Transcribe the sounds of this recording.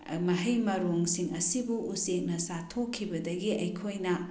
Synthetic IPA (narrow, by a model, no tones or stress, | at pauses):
mɐɦɐjmɐɾoŋsiŋɐsibuʔusek̚nɐsatʰokʰːibɐdɐɡiɐjkʰojnɐ